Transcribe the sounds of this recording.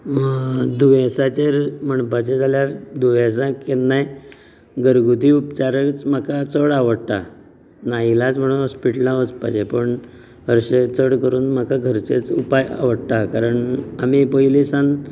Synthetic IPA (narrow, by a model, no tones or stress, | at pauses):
məd̪uʋẽsat͡ɕeɾm̤əɳpat͡ɕed͡zaljad̪uʋẽsãkennːaj | ɡəɾɡut̪iːupt͡ɕaɾəkt͡sm̤akat͡səɽaʋəɽʈ̪a̰ | nailat͡sm̤əɽ̃unɦɔspiʈlãʋəspa̰t͡ɕepəɳ | ɦəɾɕet͡səɽkəɾuːnm̤akaɡʱəɾt͡set͡supaja̰ʋəɽt̪akaɾəɳamipəilisãn